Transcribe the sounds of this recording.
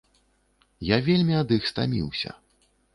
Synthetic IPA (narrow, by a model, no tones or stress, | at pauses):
javʲelʲmʲiad̪ɨxst̪a̰mʲḭwsʲɐ̰